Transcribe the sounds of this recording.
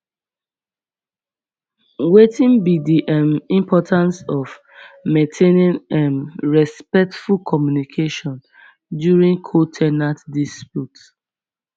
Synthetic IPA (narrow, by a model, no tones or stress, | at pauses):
wetĩnbidiʔɛmĩmpʰɔtʰãnsɔv | mẽntʰenĩnɛ̃mɹɛspɛk̚tfulkʰɔmjunikʰeʃɔ̃n | djuɹĩŋkʰotʰɛnatdispjut